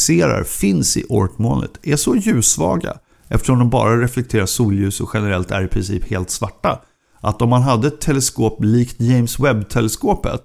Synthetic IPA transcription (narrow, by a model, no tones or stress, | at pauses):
seːɾa̰ɾfɪnsɪ̰ʔɔ̰ɾkmɔːnə̰t̪æʂɔjʉ̟ːsvɑ̰ːɡa̰ | ʔɛft̪ə̥ʂɔmd̪ɔmbɑ̰ːɾaɾɛflɛk̚t̪ʰeːɾaʂuːljʉ̟ːsɔɧɛnəɾɛlt̪æ̰ɾɪpʰɾɪnsiːpheːlt̪svaʈːa | ʔat̪ɔmːanɦad̪ːəɛt̪ʰːɛlɛskoːpliːkt̪jɛjmswɛbːt̪ʰɛlɛskoːpə̰t̪